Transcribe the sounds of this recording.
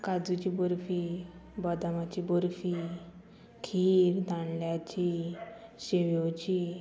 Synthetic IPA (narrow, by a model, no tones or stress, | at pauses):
kad͡zut͡ɕibɔɾfibɔd̪amat͡ɕibɔɾfi | kʰiɾd̪ãɳljat͡ɕi | ɕeʋowt͡ɕi